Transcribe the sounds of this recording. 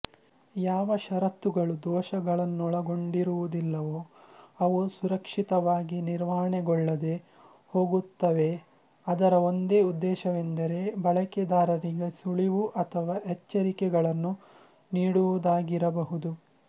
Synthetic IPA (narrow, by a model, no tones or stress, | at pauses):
jaːʋɐʃɐɾɐt̪ːuɡɐɭud̪ɔːʃɐɡɐɭɐnːuɔɭɐɡo̞ɳɖiɾuʋud̪ilːɐʋoːɐʋusuɾɐkʂit̪ɐʋaːɡiniɾʋaːɦɐɳɛɡɔɭːɐd̪e̞ | ho̞ːɡut̪ːɐʋe̞ | ɐd̪ɐɾɐo̞nd̪eːud̪ːɛːʃɐʋend̪ɐɾe̞bɐɭɐkɛd̪aːɾɐɾiɡesuɭiʋuʔɐt̪ʰɐʋaːɦɛt͡ʃːɐɾikɛɡɐɭɐnːu | niːɽuʋud̪aːɡiɾɐbɐɦud̪u